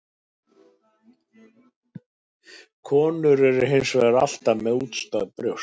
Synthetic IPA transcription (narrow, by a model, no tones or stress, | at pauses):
kʰɔːnʏɾɛɾʏɦejnsvɛɾa̰l̥t̪amɛðuːt̪st̪aðpɾjəw̥